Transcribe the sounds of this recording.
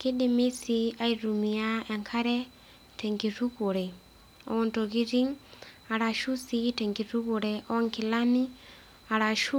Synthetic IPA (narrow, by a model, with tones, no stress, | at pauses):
ke˦dɪ˨mi˦si˦a˦i˨ɾu˨mi˨a˦ɛ˨ŋkʰa˦ɾɛ˦ | tɛ˨ŋɡi˨ɾu˦ɣo˨ɾɛ˨ | ɔ̰˨ɔ˨ntɔ˨ɣi˦ɾi˦ŋ | a˨ɾa˨ʃu˦si˦tɛ˨ŋɡi˨ɾu˦ɣo˨ɾɛ˨ʔɔ˦ŋkɪ˨la˦ni˦ | a˨ɾa˨ʃu˦